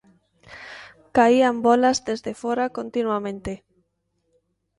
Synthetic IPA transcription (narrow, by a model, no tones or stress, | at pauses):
kaiambɔlazðezðefɔɾakont̪inwamẽnt̪e